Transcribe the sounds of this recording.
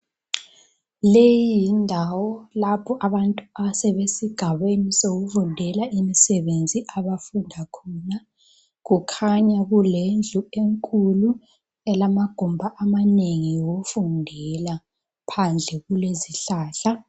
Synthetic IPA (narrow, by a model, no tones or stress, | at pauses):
lejiindʱawɔlapʰɔʔaβantʼuasɛβesiɡ̥ʱaβenisoɣuvundʱɛlaimisɛβend͡zʱiʔaβafundʱakʰɔna | ɣukʰaɲaɣulend͡ɮʱueŋkʼulu | ɛlamaɡ̥ʱumbʱaʔamaneŋijoɣufundʱɛla | pʰand͡ɮʱɛɣuleziɬaːɬa